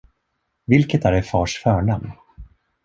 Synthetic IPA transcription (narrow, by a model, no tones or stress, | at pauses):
vɪlkət̪æɾɛfɑːʂfœːɳamn